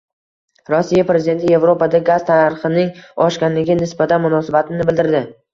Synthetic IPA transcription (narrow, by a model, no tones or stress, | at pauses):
ɾɒsːijapɾe̞zɪd̪e̞nt̪ʰɪje̞vɾo̞pad̪aɡazt̪ʰanɾχɨnɪŋɒʃkʲanlɪɡʲɪnɪsbat̪ʰanmʊnɒsabat̪ʰɪnɪbɪld̪ɪɾd̪ɪ